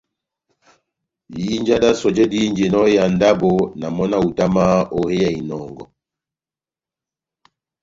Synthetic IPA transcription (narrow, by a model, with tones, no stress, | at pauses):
ji˦nd͡ʒa˦da˦sɔ˨d͡ʒɛ˦di˦nd͡ʒɛ˨nɔ˦ja˨nda˦bɔ˨na˨mɔ˦na˦u˨ta˦ma˦ɔ˨hɛ˦ja˨i˨nɔ˨ŋɡɔ̰˨